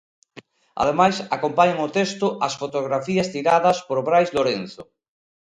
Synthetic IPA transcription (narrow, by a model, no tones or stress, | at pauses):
a̰ð̞emajsakompaɲaŋʊt̪est̪ʊʔɐsfot̪oɣɾafiɐst̪iɾaðɐspoɾβɾajzloɾenθʊ